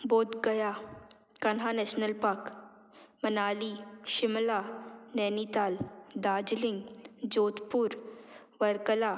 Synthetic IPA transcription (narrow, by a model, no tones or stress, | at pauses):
boːd̪ɡəja | kɐnɦanɛːʃnəlpaːk | mənaːliʃɪmlaːnɛːnit̪aːld̪aːd͡ʒlɪ̃ŋɡd͡ʒoːt̪puːɾ | ʋəɾkəla